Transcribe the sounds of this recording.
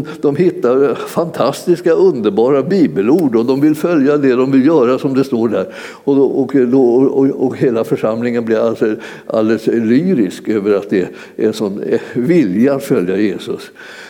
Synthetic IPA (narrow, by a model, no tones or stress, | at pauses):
d̪̥ɔmɦɪt̪ːaɾfant̪ʰast̪ɪskaɵnd̪əɾbɑːɾabiːbəluːɖɔd̪ɔmvɪlfœljad̪ɛd̪ɔmvɪljœːɾasɔmd̪ɛst̪oːɖæːɾ | ɔɔkd̪ɔɔkheːlafœʂamlɪŋənblɪɾalsɔ | ʔa̰ld̪ɛslyːɾɪskøːvəɾat̪̚d̪ɛ | æʂɔmvɪljaat̪fœljajeːsɵs